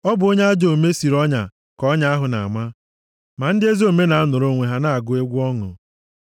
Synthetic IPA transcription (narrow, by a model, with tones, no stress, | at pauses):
ɔ˦bʊ˨o˦ɲe˦a˦d͡ʒo˨me˦si˨ɾɔ˦ɲa̰˨ | kɔ˦ɲa˦a˦ɦʊ˨na̰˨ma˦ | ma˨n̩˦dɪ˦e˦zi˦o˦˨me˦na˨a˦nʊ˨ɾo˦ŋʷe˨ɦa˦na˦a˨ɡʊ˦e˦ɡʷu˦ɔ˦ŋʊ̰˨